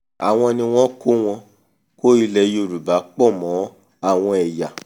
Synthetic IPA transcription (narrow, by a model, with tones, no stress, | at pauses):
a̰˨w̃ɔ̃˧nĩ˧w̃ɔ̃˦ko˦w̃ɔ̃˧ | ko˦i˧lɛ˧˦jo˧˨ɾu˨ba˨˦k͡pɔ˦˨mɔ̃˨˦ | a˦˨w̃ɔ̃˧ɛ˨ja˨